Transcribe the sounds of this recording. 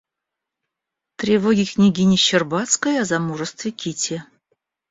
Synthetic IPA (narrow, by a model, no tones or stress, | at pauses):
t̪ɾʲɪvoɡʲɪknʲiɡʲinʲɪɕɪrbat̪skəjazamuʐəst̪vʲɪkʲitʲe